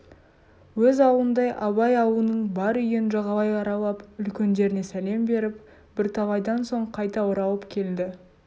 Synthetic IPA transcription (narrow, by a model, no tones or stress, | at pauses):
wɵzɑwənd̪ɑjʔɑβɑjɑwuənəɴbɑɾʏjenʒɑʁɑlˠɑjɑɾɑlˠɑpʏlkʲe̞nd̪e̞ɾɪne̞sæle̞mbe̞ɾɪp | b̥ɪɾt̪ʰɑʁɑjd̪ɑnso̞ɴqʰɑjt̪ɑʊɾɑwəpkʲʰe̞ld̪ɪ